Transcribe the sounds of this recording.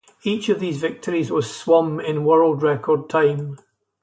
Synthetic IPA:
it͡ʃəvðiːzvɪk̚tʰəɹizwʌz̥swʌ̃mɪ̃nwɜ˞lˠdɹɛkʰə˞d̚tʰãɪ̃m

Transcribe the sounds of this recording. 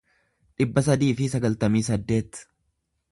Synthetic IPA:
ᶑɪbːɐsɐd̪iːfɪsɐɡɐlt̪ɐmiːsɐd̪ːe̞ːt̪

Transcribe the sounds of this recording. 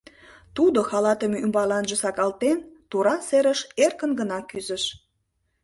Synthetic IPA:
t̪ud̪oxɑlɑt̪əmeymbɑlɑnʒəsɑkɑlt̪ent̪uɾɑseɾəʃerkənɡənɑkyzəʃ

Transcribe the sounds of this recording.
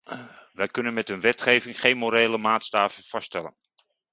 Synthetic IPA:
ʋɛjkɵnənmɛtɦənʋɛtχejvɪŋχejnmoɾejləmaːtstaːvəv̥ɑstɛlə̰n

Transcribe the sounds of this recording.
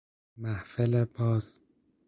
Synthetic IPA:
mæhfelebɒːz

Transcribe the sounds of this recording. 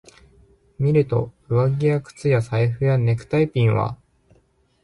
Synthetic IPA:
mʲiɾɯ̟t̪o̞̰ | ɯ̟βaɡʲiakɯ̟̥t͡sɨjasaiɸɯ̟jane̞kɯ̟̥t̪aipʲĩɰ̃βa̰

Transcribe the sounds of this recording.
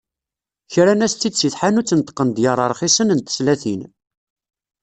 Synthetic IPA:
çɾænæst̪ːid̪siθħanut͡sːənt̪qːənd̪jəɾˤəɾˤχisənənt̪ə̥slæθin

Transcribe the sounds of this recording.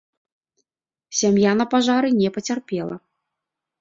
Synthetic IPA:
sʲamjanɐpaʐaɾɨnʲɛpɐt͡sʲarpʲɛlˠɐ̰

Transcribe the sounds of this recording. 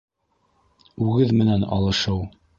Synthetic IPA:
ʉɡɘðmɘ̆nænɑ̰lˠɤ̆ʃɤw

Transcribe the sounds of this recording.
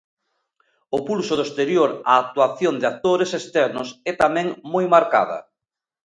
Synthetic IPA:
ʊpulsʊðost̪eɾjoɾaːk̚t̪uaθjond̪ak̚t̪oɾesest̪ɛɾnʊ̰sɛt̪amɛ̃ŋmojmaɾka̰ðɐ̰

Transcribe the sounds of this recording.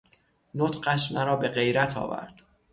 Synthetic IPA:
not̪ɢæʃmæɾɒːbe̞ɢe̞jɾæt̪ʰɒ̰ːvæ̰ɾd̪̥

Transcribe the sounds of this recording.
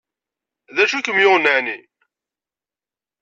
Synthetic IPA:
ðæʃukəmjʊʁnəʕni

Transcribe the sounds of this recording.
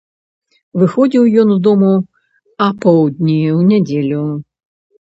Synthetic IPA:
vɨxɔd͡zʲiwjɔnzd̪ɔmu | ɐpɔwd̪ʲnʲiwnʲɛd͡zʲelʲu

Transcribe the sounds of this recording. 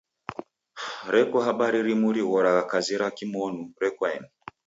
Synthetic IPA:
ɾɛkɔɦaɓaɾiɾimuɾiɣɔɾaɣakaziɾakimɔnuɾɛkwaɛ̰n

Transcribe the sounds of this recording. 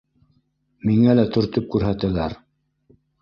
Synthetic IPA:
miŋælæt̪ɵ̆ɾt̪ɵp̚kʉɾɦæt̪ælæɾ

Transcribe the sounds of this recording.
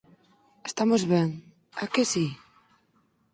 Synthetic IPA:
est̪amozβɛŋ | a̰kesi

